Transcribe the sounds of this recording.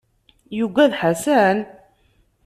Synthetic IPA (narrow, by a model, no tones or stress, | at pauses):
juɡæðħasæn